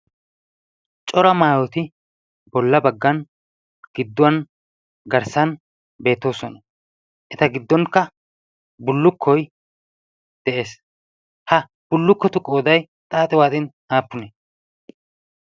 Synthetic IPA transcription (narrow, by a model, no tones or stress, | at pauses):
t͡ʃʼɔɾɐmaːwɔt̪ɪ | bɔlːɐbɐɡːɐn | ɡ̥ɪd̪ːʊwɐn | ɡɐɾsɐn | be̞ːt̪ːo̞ːsɔnɐ | ʔɛt̪ɐɡɪd̪ːɔŋkːɐ | bʊlːʊkʰːɔj | d̪̥ɛʔe̞ːs | hɐ | b̥ʊlːʊkːɔt̪ʊkʼoːd̪ɐj | t̪ʼaːt̪ʼɛwaːt̪ɪn | aːpːʊnɛ